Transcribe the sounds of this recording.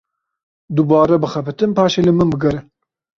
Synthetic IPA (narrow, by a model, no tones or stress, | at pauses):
d̪ubɑːɾɛbɨxɛpɨt̪ɨnpɑːʃeːlɨmɨnbɨɡɐɾɨn